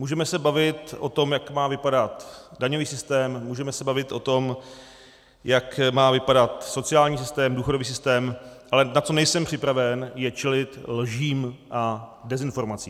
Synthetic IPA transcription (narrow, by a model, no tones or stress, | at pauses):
muːʒɛmɛsɛbavɪt̪ʔo̞t̪o̞mjakmaːvɪpadat̪daɲo̞viːsɪst̪ɛːmːuːʒɛmɛsɛbavɪt̪ʔo̞t̪o̞m | jakmaːvɪpadat̪so̞t͡sɪaːlɲiːs̬ɪst̪ɛːmduːxodo̞viːsɪst̪ɛːmʔalɛnat͡so̞nɛjsɛmpr̥ɪpɾavɛnjɛt͡ʃɛlɪt̪lʒiːmʔadɛzɪnfo̞ɾmat͡siː